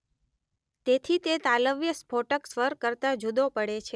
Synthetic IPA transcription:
t̪et̪ʰit̪et̪aləʋjəspʰoʈəksʋəɾkːəɾt̪ad͡ʒud̪opəɽet͡ʃʰe

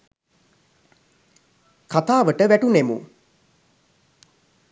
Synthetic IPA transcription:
kat̪aːʋəʈəʋæʈunemṵ

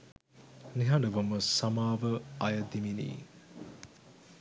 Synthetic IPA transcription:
niɦɐɖəʋəməsɐmaːʋəɐjəd̪iminḭː

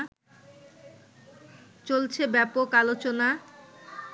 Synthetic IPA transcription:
t͡ɕolt͡ɕʰebɛpokalot͡ɕona

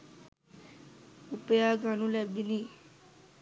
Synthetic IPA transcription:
upəjaɡanulabini

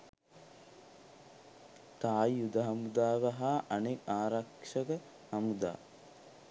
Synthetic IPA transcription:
t̪aːjjud̪ɐɦɐmud̪aːʋɐɦaʔɐnekaːɾakʂəkə | hɐmud̪a̰ː

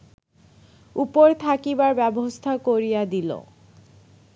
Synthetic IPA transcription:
upoɾt̪ʰakibaɾbɛbost̪ʰakoɾijad̪ilo̰

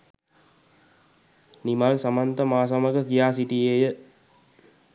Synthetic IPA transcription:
nimalsɐmɐnt̪əmaːsɐmɐɡəkijaːs̬iʈiejə

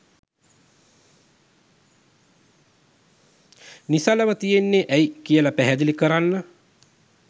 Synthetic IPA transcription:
nisaləʋət̪ijenːeʔæjkijəlapæɦɛd̪ilikəɾanːə

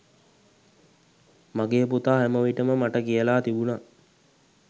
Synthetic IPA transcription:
maɡeːput̪aːɦæməʋiʈəməmaʈəkijəlaːt̪ibuna

